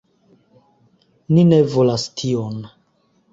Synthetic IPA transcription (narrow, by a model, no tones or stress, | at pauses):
nine̞volastʰion